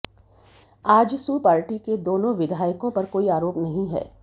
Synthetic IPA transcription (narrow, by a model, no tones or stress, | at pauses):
aːd͡ʒsuːpaːɾʈiked̪oːnõʋɪd̪ʱaːjəkõpɐɾkoːiaːɾoːpnɐɦĩɦɛ̰ː